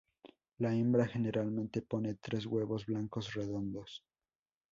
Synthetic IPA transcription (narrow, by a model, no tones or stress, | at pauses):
laembɾaxe̞ne̞ɾalmẽnt̪e̞po̞ne̞t̪ɾe̞zɣwe̞βo̞zβlaŋkosre̞ðo̞nd̪o̞s